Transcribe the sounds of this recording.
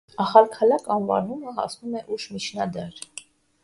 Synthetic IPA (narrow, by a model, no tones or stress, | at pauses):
ɑχɑlkʰɑlɑkɑnvɑ̰numəɦɑ̰snumɛʔuʃmit͡ʃʰnɑd̪ɛɾ